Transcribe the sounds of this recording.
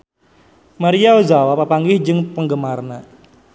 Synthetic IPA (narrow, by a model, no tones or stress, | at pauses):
maɾiaozawapapaŋɡɪhd͡ʒɨŋpəŋɡəmarna